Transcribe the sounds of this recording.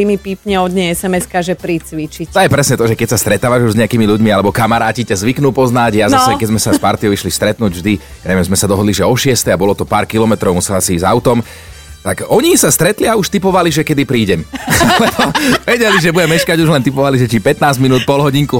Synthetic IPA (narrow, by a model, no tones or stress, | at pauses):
imipiːpɲɛɔd̪ɲɛɛsɛmɛskaʒɛpɾiːt͡sʋit͡ʃict̪ɔjɛpɾɛsɲɛt̪ɔʒɛkɛcsast̪ɾɛt̪aːʋaʒuʒzɲɛakiːmiluɟmialɛbɔkamaɾaːcicazʋiknuːpɔznaɟjaznasɛkɛɟzmɛsaspaɾt̪ijɔʊiʃlist̪ɾɛt̪nuːɟvʒd̪i | jaɲɛʋɛmzmɛsad̪ɔɦɔd̪liʒɛɔʃɪɛst̪ɛabɔlɔt̪ɔpaːɾkilɔmɛt̪ɾɔʊmusɛlasiizaʊt̪ɔm | t̪aɡɔɲisast̪ɾɛt̪liauʃt̪ipɔʋaliʒɛkɛd̪ipɾiːɟɛmalɛbɔʋɛɟɛliʒɛbuɟɛmɛʃkaɟuʒlɛnt̪ipɔʋaliʒɛt͡ʃipɛt̪naːzminuːt̪̚pɔlɦɔɟiŋku